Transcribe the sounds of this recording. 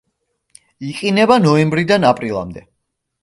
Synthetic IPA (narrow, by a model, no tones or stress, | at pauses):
iqʼinɛbanɔɛmbɾid̪anapʼɾilˠa̰md̪ɛ